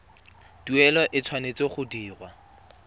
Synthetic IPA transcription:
tuɛlɔʔɪt͡sʰwanet͡seχʊdiːrwa

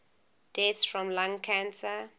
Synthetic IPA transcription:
d̥ɛtsfɹɔ̃mlãŋkʰãnsə

